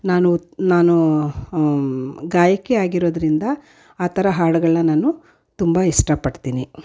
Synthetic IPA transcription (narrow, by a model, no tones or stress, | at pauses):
naːnunaːnu | ɡaːjɐkːeaːɡiɾoːd̪ɐɾind̪ɐ | aːt̪ʰɐɾɐɦaːɽɐɡɐɭnɐnaːnu | t̪umbɐisʈɐpɐɽt̪iːni